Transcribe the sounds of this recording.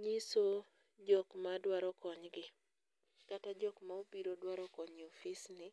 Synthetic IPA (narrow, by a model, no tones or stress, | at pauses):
ɲiso | d͡ʒɔkmadwaɾɔkɔɲɡɪ | katad͡ʒɔkmaobiɾodwaɾɔkɔɲiɔfɪsnɪ